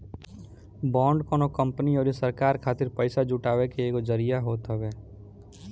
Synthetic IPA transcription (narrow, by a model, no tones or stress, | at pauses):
bɔ̃ːɳɖkɔːnokə̃mpəniɔːɾesəɾkaːɾkʰaːt̪ɪɾpəɪsad͡ʒʊʈaːwekeeːkod͡ʒəɾijaɦoːt̪ɦəbeː